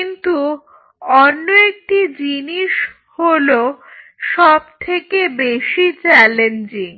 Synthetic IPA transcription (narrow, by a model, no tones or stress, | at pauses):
kint̪u | ɔnːoek̚ʈid͡ʑiniʃ | holo | ʃɔb̚t̪ʰekebeʃit͡ɕɛlend͡ʑiŋ